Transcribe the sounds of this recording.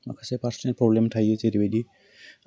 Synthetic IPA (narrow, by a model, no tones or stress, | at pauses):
ma̰kʰasepaɾsnelpɾoblemʈʰajet͡ɕʰeɾebedi